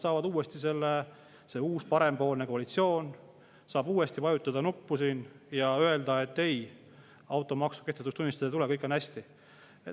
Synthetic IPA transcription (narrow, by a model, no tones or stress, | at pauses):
sɑːvɑd̪uːest̪ise̞lːe | se̞uːspɑɾe̞mpo̞ːlneko̞ɑlit̪sio̞ːn | sɑːbuːe̞st̪ipɑjut̪ːˑɑd̪ɑnupːusiːn | jɑø̞e̞ld̪ɑe̞t̪ːe̞j | ɑwt̪ːˑo̞mɑksu̥ke̞ht̪et̪ːust̪unʲːist̪ɑd̪et̪ule̞kɤjkːˑɑnæsʲt̪i